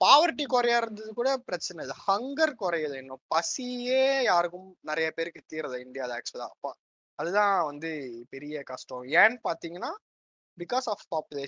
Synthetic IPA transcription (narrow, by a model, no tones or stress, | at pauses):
paːʋɐɾʈ̬ːikɔɾɐjaːɪɾɯnd̪ɐðɯkuːɽɐpɪɾɐt͡ʃːɐnɐðɯhɐŋɡɐɾkɔɾɐjɐðɯɪnːõpɐsieːjaːɾɯkːɯmnɪɾɐjɐpeːɾɯkːɯt̪iːɾɐðɯɪɳɖɪjaːðaɛksɐðã̰ːɐpːã | ɐðɯt̪ãːʋɐnd̪ɯpɛɾɪjɐkɐsʈɐ̃ɛːnpaːɾt̪iːŋɡɐnːaː | bɪkːaːsaːfpaːpjʊleː